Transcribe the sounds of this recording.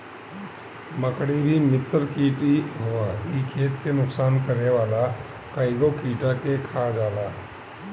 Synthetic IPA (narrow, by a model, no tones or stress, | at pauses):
mɐkɽibʱimɪt̪ːəɾkiːʈiɦuaikʰeːt̪kenʊksaːnkɐɾneʋaːla | kaːɪɡokiːʈakekʰad͡ʒaːlaː